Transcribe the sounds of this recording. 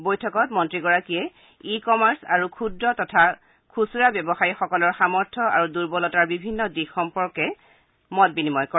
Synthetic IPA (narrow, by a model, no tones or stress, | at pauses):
bojtʰɔkɔtmɔntɹiɡɔɹakijɛ | ikɔmaɹsa̰ɹukʰudɹɔtɔtʰa | kʰusuɹabjɔbɔxajixɔkɔlɔɹxamɔɹtʰɔa̰ɹuduɹbɔlɔtaɹbibʱinːɔdixxɔmpɔɹkɛ | mɔt̚binimɔjkɔ